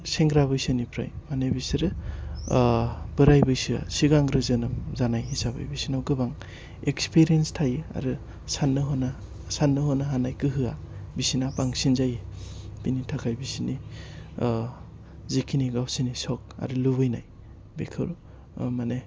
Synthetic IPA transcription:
seŋɡɾaβɯjsɯnipʰɾa̰jmanebisiɾɯ | b̥ɯɾajbɯjsɯa̰siɡaŋɡɾɯzɯnɯmzanajisabɯ̰jbisinawɡɯbaŋ | ekspʰiɾienstʰajɯa̰ɾɯ | sanːɯɦɔna | sanːɯɦɔnaɦanajkɯɦɯa | bisinapaŋsinzajɯbinitʰakʰajbisini | zikʰiniɡawsinisɔk̚a̰ɾɯlubɯjnaj | bekʰɯ̰ɾ | mane

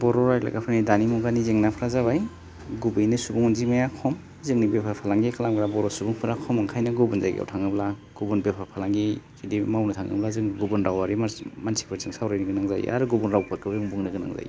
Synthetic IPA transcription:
bɔɾɔɾajla̰ɡapʰɯnidanimuɡanizeŋnapʰɾazaβaj | ɡubɯjnɯsubuŋunzimajakʰɔm | zɯŋnibepʰapʰalaŋɡikalamɡɾabɔɾɔsubuŋpʰɯɾakʰɔmɯŋkʰajnaɡubunzajɡḭa̰wtʰaŋɯbla | ɡ̥ubunbepʰapʰalaŋɡikʰidimawnɯtʰaŋɯ̰blazɯŋɡubunɾawaɾimmansʰi̥pʰɯɾzɯŋsawɾajniɡɯnaŋza̰ja̰ɾuɡubunɾawpʰat̚kʰɯbzɯŋbuŋnɯɡɯna̰ŋza̰j

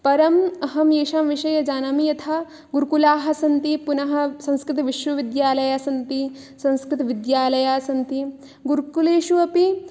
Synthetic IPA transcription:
pɐɾɐmɐɦɐmjeːʃaːmʋiʃɐjɐd͡ʒaːnaːmijɐt̪ʰa | ɡuɾkulaːɦɐ̆sɐnt̪ipunɐɦɐ̆sɐ̃ŋskɾɪt̪ʋiʃʋɐʋid̪jaːlɐjaːsɐnt̪i | sɐ̃nskɾɪt̪ɐʋid̪jaːlɐjaːsɐnt̪i | ɡuɾkuleːʃuɐpi

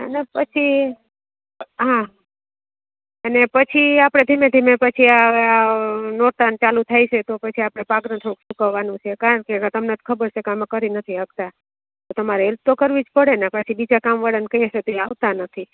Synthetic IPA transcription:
ə̰nepət͡ʃʰi | ɦã | ənepət͡ʃʰiapɽ̃ed̪ʱimẽd̪ʱimepət͡ʃʰiaanoɾt̪ant͡ʃalut̪ʰajt͡ʃʰet̪opət͡ʃʰiapɽ̃epaɡɾət̪ʰəũkʃũkəʋːanũt͡ʃʰekaɾəɳkeɡət̪əmnet̪ʰkʰəbəɾt͡ʃʰekamkəɾinət̪ʰiɦəkt̪a | t̪ot̪əmaɾeelt̪ːokəɾʋid͡ʒpəɽenapət͡ʃʰibid͡ʒakamʋaɽənkəieʃet̪oiaʋt̪anət̪ʰi

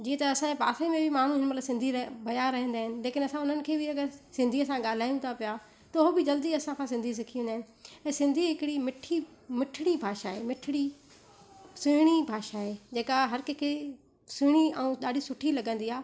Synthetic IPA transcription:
d͡ʑĩːẽt̪ɐːsãẽpa̰ːsʰəimẽbʱɪmaːɳ̤uɦɪnmɐt̪ləbsɪ̃nd̪ʱiɾbɐjaɾɐɦə̃nd̪aːɦɪnɪ̆leːkʰɪnɐsãʊn̤ənɪ̆kʰeːbʱɪɐɡəɾsɪ̃nd̪ʱiəsãɠaːl̤aːjũt̪ʰapija | t̪ɐʊɦobɪd͡ʑɐld̪iɐsãkʰãsɪ̃nd̪ʱis̬ɪkʰiʋ̃ẽnd̪aːɦɪ̃nɪ̆ | ɛ̃ːsɪ̃nd̪ʱiɦɪkɽimɪʈʰimɪʈʰɪɽ̃ibʱaːʃaɦeːmɪʈʰɪɽ̃i | sʊɽ̃ibʱaːʃaːɦed͡ʑeːkaɦɐɾkekʰe | sʊɽ̃iɛũɗaːɖʱisʊʈʰilɐɡə̃nd̪iaː

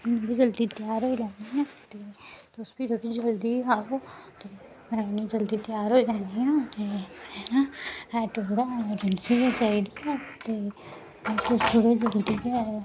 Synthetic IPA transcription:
nĩːbiːd͡ʒəld̪iːt̪jaːɾɦoːiːlɛ̃ːnd̪iːɦɛ̃ːt̪eːt̪ːsbiːt̪ʰoːɽiːd͡ʒəld̪iːɦaːoːt̪eː | mɛ̃ːʊniːd͡ʒəld̪iːt̪ɪjaːɾɦoːiːd͡ʒɛ̃ːnd̪iɦãːt̪eːmɛaɛːʈoːɽaːeːd͡ʒənsiːɦoːt͡ʃaːiːd̪iɦɛ̃ːt̪eː | t̪ʊst̪ʰoːɽiːd͡ʒəld̪iːe

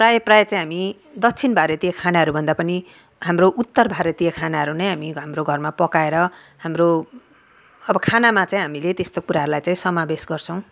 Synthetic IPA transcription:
prajʌprajʌt͡saĩɦami | d̪ʌkt͡sʰinbʱaɾjet̪ijakʰanaɦʌɾubʱʌnd̪apʌni | ɦamroʔut̪ːʌrbʱaɾet̪ijakʰanaɦʌɾunʌjɦamiɦamroɡʱʌrmapʌkaeɾʌ | hamro | ʌbʌkʰanamat͡saĩɦamilet̪est̪okuɾaɦʌɾulajt͡saĩsʌmabesɡʌrt͡sʰʌ̃w̃

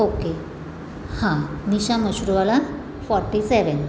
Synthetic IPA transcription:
oke | hãniɕaməɕɾuʋala | fɔɾʈːiseʋən

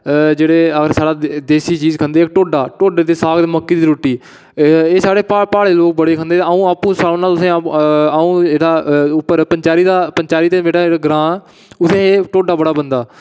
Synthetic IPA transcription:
d͡ʒeːɽeːəɡəɾsaːɽaːd̪eːsiːt͡ʃiːzkʰənd̪eːɪk̚ʈoːɖaːʈoːɖeːt̪eːsaːɡd̪eːməkːiːd̪iːɾoːʈːiː | eːsaːɽeːpaːpaːɽeːloːk̚bəɽeːkʰənd̪eːt̪ːəũːaːpːũːsəːnaːt̪ʊsẽːaũːd͡ʒeːɽaːʊpːəɾpəɲt͡ʃaːɾiːd̪aːpəɲt͡ʃaːɾiːt̪eːmeːɽaːaɡɾãː | ʊt̪ʰẽːeːʈoːɖaːbəɽaːbənd̪aː

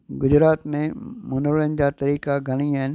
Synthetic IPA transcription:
ɡʊd͡ʑɾaːt̪mẽmɐnəɾɭənɪ̆d͡ʑaːt̪ɐɾiːkaɡʱɐɽ̃iaːɦɪn

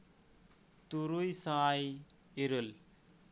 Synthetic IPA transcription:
t̪uɾujsaːj | eɾɯl

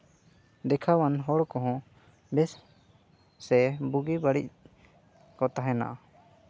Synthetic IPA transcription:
d̪ɛkʰawanɦɔɽkɔɦɔ̃ | bɛs | sɛbuɡibaɽḭc̚ | kɔt̪aɦɛna̰ʔa

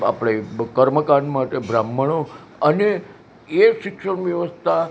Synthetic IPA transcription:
a̰pɽekəɾməkaɳmaʈebɾamːəɭo | əne | eʃɪkʂəɳʋjəʋəst̪ʰa

